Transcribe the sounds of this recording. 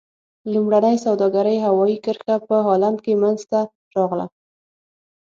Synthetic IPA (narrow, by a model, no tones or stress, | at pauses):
lumɽanəjsawd̪ɑɡaɾəjɦawɑjikəɾxapəɦɑland̪kemanzt̪a | ɾɑɣla̰